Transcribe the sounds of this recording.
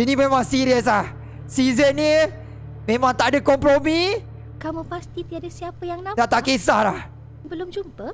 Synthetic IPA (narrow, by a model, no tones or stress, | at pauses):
inĩmẽmãŋsiɾiəs̬lah | sizənɲə | mẽmãŋt̪aʔadəkɔmpɾomi | kamupast̪it̪iadasiapəjaŋnãdat̪akesahlah | bəlʊmd͡ʒumpə